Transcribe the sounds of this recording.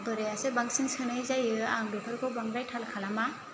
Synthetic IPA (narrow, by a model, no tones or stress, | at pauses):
bɯɾejasebaŋsiŋsɯnɯjzajɯaŋdɔkʰɯɾkʰɔbaŋɾajtʰalkʰalama